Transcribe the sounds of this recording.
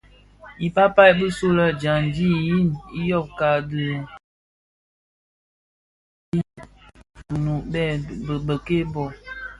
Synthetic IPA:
i˨pa˦pa˦jbə˦so˦lə˦d͡ʒa˨ndi˦ji˦ni˦jɔ˦˨b̚ka˨də˨ | i˦˨ | nu˨bɛ˦˨bə˨ke˦bɔ˨

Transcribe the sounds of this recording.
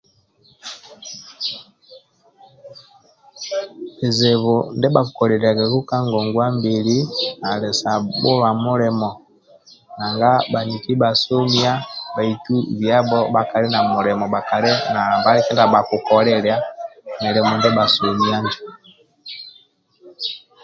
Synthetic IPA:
ɛ˨zɛ˨βɔ˨ndɛ˦ba˨ku˨kɔ˨ɾɛ˨ɾa˨ɡɛ˨ɡu˦ka˦ŋɡɔ˨ŋɡwa˦mbi˨li˦na˨lɛ˨sa˨bɔ˦βa˨mu˦ɾɛ˨mɔ˨ | na˨ŋɡa˦ba˨ni˨ki˦ba˨su˦mi˦a˦ba˨i˨tu˦βja˦bɔ˦ba˨ka˨ɾi˦na˨mu˨ɾɛ˨mɔ˨ba˨ka˨ɾɛ˦na˨la˨mba˦ɾɛ˦kɛ˦nda˨ba˨ku˨kɔ˨ɾɛ˨ɾja˦nɛ˨ɾɛ˨mɔ˨ndɛ˦ba˨su˨mi˨˦a˦ndi˨

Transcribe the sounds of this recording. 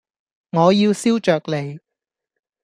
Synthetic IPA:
ŋɔː˨˧jiː˧wsiː˥wt͡ʃœː˨˩k̚le˨˧j

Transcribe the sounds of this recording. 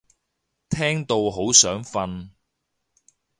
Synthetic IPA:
t̪ʰɛː˥ŋt̪o˧wɦo˨˥wsœː˨˥ŋfɐ˧n

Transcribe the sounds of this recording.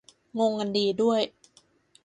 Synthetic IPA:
ŋo˧ŋka˧ndiː˧du˥˩əj

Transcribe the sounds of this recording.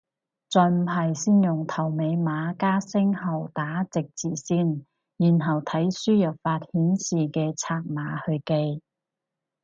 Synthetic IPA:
t͡sɔː˨jm̩˨˩ɦɐ˨jsiː˥njʊ˨˩ŋt̪ʰɐ˨˩wme˨˧jmaː˨˧˥kaː˥sɪ˥ŋɦɐ˨˩wt̪aː˨˥t͡sɪ˨k̚t͡siː˨˩siː˥n | jiː˨˩nɦɐ˨˩wt̪ʰɐ˨˥jsyː˥jɐ˨p̚faː˧t̚hiː˨˥nsiː˨kɛː˧t͡sʰaː˧k̚maː˨˧˥hɵ˧ɥke˧j

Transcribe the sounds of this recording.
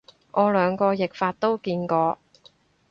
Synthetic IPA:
ŋʔɔː˨˧lœː˨˧ŋkɔː˧jɪ˨k̚faː˧t̚t̪o˥wkiː˧nkɔː˧

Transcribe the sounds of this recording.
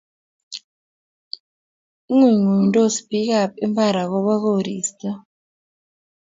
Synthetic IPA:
ŋi˦˨ŋu˨ntʼɔ˦si̥˦b̥ʱi˦k̬a˦˨pɛ˦mba˦˨ɾa˨k̬ɔ˦ɓa˦k̬o˦˨ɾiː˨stʼa˦

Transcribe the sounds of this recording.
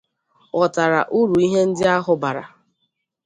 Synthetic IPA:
ɔ˨ta˨ɾa̰˨ʔu˦ɾu˨i˦ɦe˦n̩˦dɪ˦a˦ɦʊ˨ba˨ɾa̰˨

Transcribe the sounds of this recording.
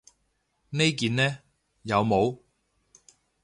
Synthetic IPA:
ne˥jkiː˨nnɛː˥ | jɐ˨˧wmo˨˧w

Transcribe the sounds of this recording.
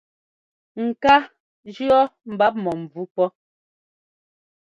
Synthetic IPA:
ŋ̩˨ka˦ | d͡ʒʉ˦ɔ˦m̩˨ba˦p̚mɔ˨m̩˨b͡vu˦pɔ˦

